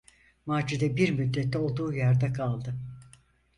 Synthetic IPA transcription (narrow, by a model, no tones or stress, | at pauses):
maːd͡ʒid̪ɛbiɾmyd̪ːɛt̪ʰːɛo̞lˠd̪uːjæɾd̪ɛkʰalˠd̪ɯ